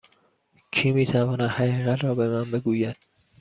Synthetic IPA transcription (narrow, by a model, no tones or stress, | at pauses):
cʰiːmiːt̪ʰævɒːnæd̪hæɣiːɣæt̪ʰɾɒːbemænbe̞ɡuːjæd̪̥